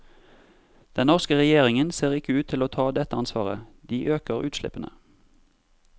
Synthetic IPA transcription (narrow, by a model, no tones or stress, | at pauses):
d̪̥ɛnɔʁskəʁɛjeːʁɪŋənseːʁɪkəʉːt̪ʰɪloːt̪ʰɑːd̪ɛt̪əɑnsʋɑ̰ːʁə̰d̪iːʔøːkəʁʉːt̪ʃlɪ̰pənə̰